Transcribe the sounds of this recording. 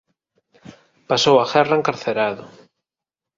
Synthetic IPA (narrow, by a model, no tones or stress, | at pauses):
pasowaɣɛraeŋkaɾθeɾaðʊ